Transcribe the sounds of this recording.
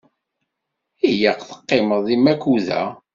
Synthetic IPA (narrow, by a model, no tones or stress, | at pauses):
ijəqθə̥qːɪməðˤðimːækːuðæ̰